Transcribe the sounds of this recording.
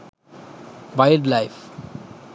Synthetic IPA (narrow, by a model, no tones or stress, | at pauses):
ʋaɪlɖlaɪf